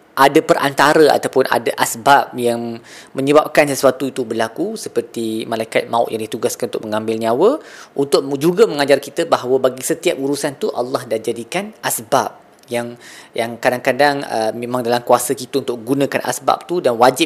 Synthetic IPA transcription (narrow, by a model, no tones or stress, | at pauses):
ʔadəpərʔa̰nt̪aɾəa̰t̪apʊnʔa̰daʔasbap̚jaŋ | mə̃ɲəbap̚kansəsuat̪uit̪ubərlakusəpərt̪imãlaikat̪̚maʊ̰ʔjaŋdit̪uɡaskanunt̪ʊ̰ʔ̚məŋãmbɪlniawəunt̪ʊk̚d͡ʒuɡəmə̃ŋad͡ʒarkit̪əbaɦawəbaɡisət̪iap̚uɾusant̪uʔɑ̰lːɑhdahd͡ʒadikanʔasbap̚ | jaŋjaŋkadaŋkadaŋə̰mẽmãŋdalamkuasəkit̪əunt̪ʊk̚əɡunə̃kanʔa̰sba̰p̚t̪udanwad͡ʒɪp̚